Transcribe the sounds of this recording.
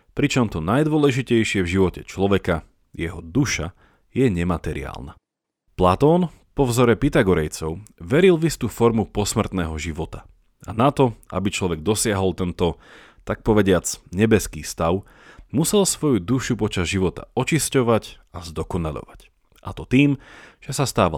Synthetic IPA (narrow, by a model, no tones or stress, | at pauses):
pɾit͡ʃɔmt̪ɔnajd̪ʊɔlɛʒicɛjʃɪɛvʒiʋɔcɛt͡ʃlɔʋɛka | jɛɦɔd̪uʃa | jɛɲɛmat̪ɛɾḭa̰ːlˠna̰ | plat̪ɔːn | pɔvzɔɾɛpit̪aɡɔɾɛjt͡sɔʊʋɛɾilvist̪ufɔɾmupɔsmr̩t̪nɛːɦɔʒiʋɔt̪a | a̰nat̪ɔʔa̰bit͡ʃlɔʋɛɡ̚d̪ɔsɪaɦɔlˠt̪ɛnt̪ɔ | t̪ak̚pɔʋɛɟɪat͡sɲɛbɛskiːst̪aʊ | musɛlsʋɔjud̪uʃupɔt͡ʃazʒiʋɔt̪a̰ɔt͡ʃiscɔʋac | azd̪ɔkɔnaʎɔ̰ʋac | ʔa̰t̪ɔt̪iːmʒ̥ɛsast̪aːʋa